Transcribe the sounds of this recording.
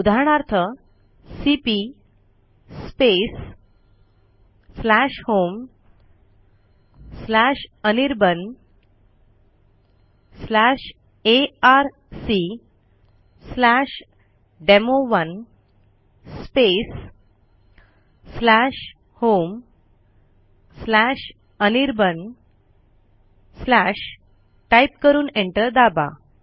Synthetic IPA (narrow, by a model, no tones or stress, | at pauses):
ud̪ʱaɳ̃aɾt̪ʰə | sipi | spes | slaʂhom | slaʂəniɾbən | slaʂ | eaɾ | si | slaʂ | ɖemoʋən | spes | slaʂ | hom | slæʂ | əniɾbən | slaʂ | ʈajpkəɾuːnẽɳʈəɾd̪aba̰